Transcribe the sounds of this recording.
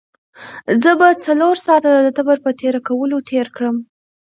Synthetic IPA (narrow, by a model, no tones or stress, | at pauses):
zəbat͡saloɾsɑt̪ad̪d̪ət̪abəɾpət̪eɾakawəlot̪ʰeɾkɽəm